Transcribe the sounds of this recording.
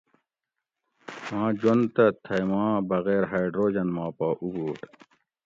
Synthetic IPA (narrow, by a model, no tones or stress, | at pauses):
hãːd͡ʑont̪ɐt̪ʰɐjmãːbɐɣeːɾɦajɖɾoːd͡ʑɐnmãːpaːʔuboːʈ